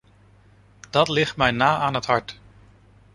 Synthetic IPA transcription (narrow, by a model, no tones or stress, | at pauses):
d̥ɑtlɪχtmɛjnaːʔaːnɦətɦɑɹt